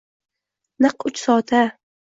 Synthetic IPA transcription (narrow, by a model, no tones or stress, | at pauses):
nɨqʊt͡ʃsɒːt̪ʰa